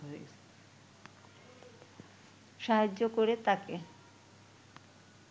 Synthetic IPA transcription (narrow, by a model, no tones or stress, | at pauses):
es | ʃaɦad͡ʑːokoɾet̪ake